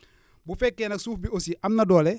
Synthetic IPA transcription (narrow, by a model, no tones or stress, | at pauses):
bufɛkːɛnɐk̚suːfbiosiʔɐmnɐdɔːlɛ